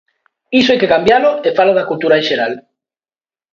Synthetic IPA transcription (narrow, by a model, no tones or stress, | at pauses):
isoejkekambjaloefalaðakult̪uɾaẽʃeɾal